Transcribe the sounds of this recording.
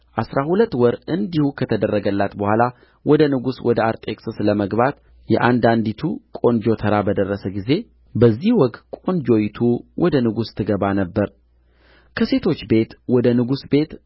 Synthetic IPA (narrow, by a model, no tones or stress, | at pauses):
ʔasɾahulət̪ːwɔɾɨnd̪ihukʰət̪ʰəd̪ərːəɡəlːat̪bəhʷala | wɔd̪ənɨɡuswɔd̪əaɾt̪ʼeksɨsləməɡβat̪ | jɛ̰ʔand̪and̪it̪ʰukʼo̞nd͡ʒo̞t̪ʰəɾabəd̪ərːəsəɡize̞ | bəzːihwɔkt̪kʼo̞nd͡ʒo̞jt̪ʰuwʔɔd̪ənɨɡust̪ʰːɨɡəβanəbːəɾ | kʰəse̞t̪ʰo̞t͡ʃːbe̞t̪wɔd̪ənɨɡusbe̞t̪